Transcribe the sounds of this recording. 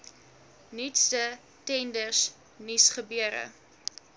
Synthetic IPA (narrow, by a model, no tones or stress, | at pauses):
nitstə | tɛndərs | nisχəbyəɾə̰